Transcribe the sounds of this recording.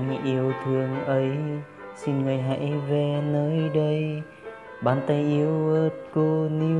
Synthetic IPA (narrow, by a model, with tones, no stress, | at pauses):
ŋʔi˧əwt̪ʰɨ˨˩əŋʔə˨˦j | si˧nŋɨ˨˩əjɦa̰˧˥jve˨˩nəː˧jɗə˧j | ɓaː˨˧˩nt̪ə˧jʔi˧əwəː˦t̚ko˧ni˧